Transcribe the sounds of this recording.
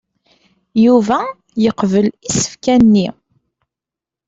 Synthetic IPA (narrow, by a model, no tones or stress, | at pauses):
juvæ | jəqvəlisə̥fkænːi